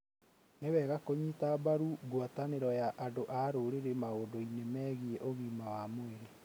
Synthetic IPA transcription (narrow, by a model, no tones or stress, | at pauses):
newɛɣakoɲitabaɾuɡwataneɾɔjaʔandoʔaɾoːɾeɾemaoːdoinemɛːɣieʔoɣimawamoeɾe